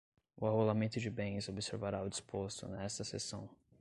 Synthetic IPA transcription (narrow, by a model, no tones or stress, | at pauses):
ʊaɦolamẽnt̪ʊd͡ʒɪbẽj̃ɪzobseɾvaɾaʊd͡ʒispʰost̪ʊ̰nɛst̪ɐsḛsɐ̃w̃